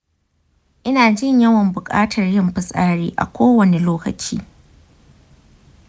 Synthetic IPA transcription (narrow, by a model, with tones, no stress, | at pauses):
ʔɪ˦naː˨d͡ʒɪ˦˨ɲjɐ˦wɐ˨mbʊ˨kʼa̰ː˦tʰɐ˨rjɪ˦mɸɪ˨sʼaː˦ɽiː˦ʔa̰˨kʷoː˦wɐ˨ne˨loː˦kɐ̰˨t͡ʃḭː˦